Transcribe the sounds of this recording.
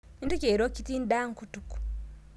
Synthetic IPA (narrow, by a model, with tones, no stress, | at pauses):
intu˦ke˨ɾo˦citiː˦nda˦ŋkutuku̥